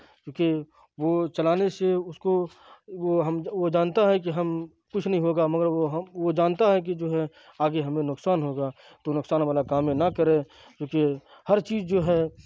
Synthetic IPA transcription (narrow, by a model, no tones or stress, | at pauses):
kũːke | ʋoːt͡ʃɐlaːneseʊsko | ʋoɦɐmʋod͡ʒaːnt̪aɦɛk̬iɦɐm | kʊt͡ʃʰnəɦĩɦoːɡamɐɡəɾʋoɦʋod͡ʒaːnt̪aɦɛk̬id͡ʒoːɦɛ | aːɡeɦɐmẽnʊksaːnɦoːɡa | t̪onʊksaːnʋaːlakaːmjẽnɐkɐɾẽː | d͡ʒõːke | hɐɾt͡ʃiːzd͡ʒoːɦɛː